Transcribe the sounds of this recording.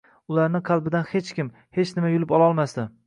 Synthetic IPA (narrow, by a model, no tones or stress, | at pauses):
ʊlaɾnɪqʰɑlˠbɪd̪anhe̞t͡ʃkʲɪm | he̞t͡ʃnɪmajʊlɪpɒlˠaɒlˠmasd̪ɪ